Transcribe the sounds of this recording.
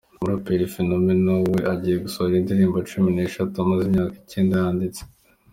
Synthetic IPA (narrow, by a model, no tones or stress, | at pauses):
muɾopeɾifinomenowe̞ʔaɟiːje̞ɡusoɾindiɾiːmbot͡ʃumine̞ʃatuamazimɲaːki̥ce̞ːndajaːndit͡se̥